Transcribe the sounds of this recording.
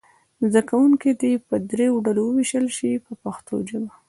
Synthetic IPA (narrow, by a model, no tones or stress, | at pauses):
zd̪akawuŋkid̪epəd̪ɾeoɖalowəwiʃəlʃipəpaxt̪ʰo̰d͡ʒəma